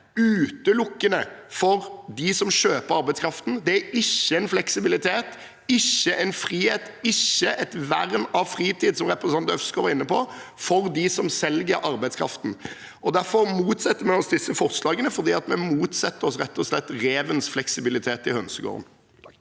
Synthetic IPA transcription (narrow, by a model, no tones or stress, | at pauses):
ʉːt̪əlʊkːənəfɔɾd̪ɪsɔmʃøːpəɾɑɾbæɪskʰɾɑft̪n̩d̪ɛæɪçːəɛnflɛksɪbɪlɪt̪ʰeːt̪ | ɪçːəʔɛnfɾiːheːt̪ɪçːəʔɛt̪ʋæʁnɑʋfɾiːt̪iːd̪sɔmʁɛpɾɛsɑnt̪œfskɔʋɑɾɪnːəpʰɔfɔɾd̪ɪsɔmsɛlɡəɾʔɑɾbæɪd̪skʰɾɑ̰ft̪n̩ | ɔd̪æɾfɔɾmuːt̪sɛt̪ːəmɛɔsd̪ɪsːəfɔʁslɑːɡənəfɔɾd̪iːɑt̪mɛmuːt̪sɛt̪ːəɾɔsɾɛt̪ːɔslɛt̪ːɾeːʋənsflɛksɪbɪlɪt̪ʰeːt̪ɪhœnsəɡo̰ːʁə̰n